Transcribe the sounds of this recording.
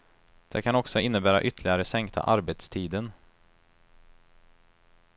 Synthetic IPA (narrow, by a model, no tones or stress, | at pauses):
d̪̥ɛkʰanɔksɔɪnːəbæːɾa̰ʔʏt̪ʰːlɪɡaɾəsɛŋkt̪ʰa̰ʔaɾbeːt̪st̪ʰiːd̪ən